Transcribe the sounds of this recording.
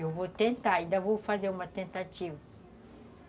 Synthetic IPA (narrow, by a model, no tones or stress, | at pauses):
ewvot̪ẽnt̪aaĩnd̪ɐvowfazeɾũmɐt̪ẽnt̪at͡ʃivɐ